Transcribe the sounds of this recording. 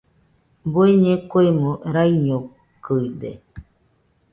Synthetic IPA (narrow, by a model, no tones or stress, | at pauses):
bueɲekʷejmuɾajɲo | kɯid̪ḛ